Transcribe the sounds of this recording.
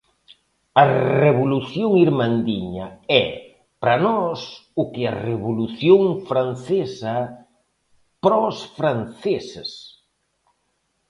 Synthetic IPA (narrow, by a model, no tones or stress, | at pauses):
ɐreβoluθjoŋiɾmand̪iɲɐɛ | pɾɐnɔsʊkɪɐreβoluθjoŋfɾan̟θesɐ | pɾɔsfɾanθeses